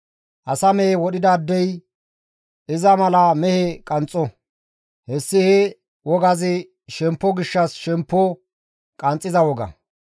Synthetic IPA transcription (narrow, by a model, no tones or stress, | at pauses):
ʔɐsɐmɛhɛwɔɗɪd̪ɐːd̪ːɛj | ʔɪzɐmɐlɐmɛhɛkʼɐnt͡sʼːɔ | hɛsːɪhɛ | wɔɡɐzɪ | ʃɛmpːɔɡɪʃːɐsʃɛmpːɔ | kʼɐnt͡sʼːɪzɐwɔɡɐ̰